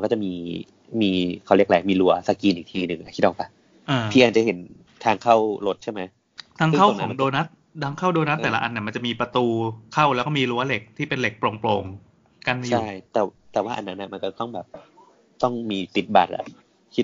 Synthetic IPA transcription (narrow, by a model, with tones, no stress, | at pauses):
nkɔː˥˩t͡ɕa˨˩miː˧ | miː˧kʰa˨˦˩wli˥˩əklɛː˨˩˦miː˧lu˦ɐsa˧kiː˧nʔiː˨˩k̚t̪ʰiː˧nɯ˨˩ŋʔa˨˩kʰiː˥˩t̪̚ʰɔ˨˩kpa˧ | ʔɤː˧pʰiː˧ʔaː˨˩t͡ɕa˨˩he˩˦n | t̪ʰaː˧ŋkʰa˥˩wlo˦˥t̪̚t͡ɕʰa˥˩ma˦˥j | t̪ʰaː˦˥ŋ˥kʰa˥wknaɔ˦˩˦ŋdoː˧na˦˥t̪̚dʰaː˧˥ŋkʰa˥˩wdoː˧na˦˥t̪ːɛː˨˩la˦˥ʔa˧nːi˥˩ɐma˧t͡ɕa˨˩ʔmiː˧pɾa˧t̪uː˧kʰa˥˩wlɛː˧˦˥wkɔ˥˩miː˧ɾu˦˥ɐle˨˩k̚t̪ʰiː˥˩pe˧nle˨˩k̚pɾoː˧ŋploː˧ŋ | ka˧nma˧t͡ɕjʰa˥˩˥jt̪ɛː˨˩t̪ɛː˨˩waː˥˩ʔa̰˧nːa˦˥nːa˧˩ma˧nkɔ˥˩t̪ɔ˥˩ŋbɛː˨˩p̚ | t̪ɔ˥˩ŋmiː˧t̪i˨˩t̪̚baː˨˩t̪̚la̰˧˩ | kʰiː˥˩